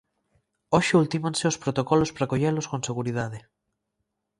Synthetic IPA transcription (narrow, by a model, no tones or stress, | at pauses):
oʃeult̪imãnseospɾot̪okɔlospɾakoʎeloskõnseɣuɾiðað̞e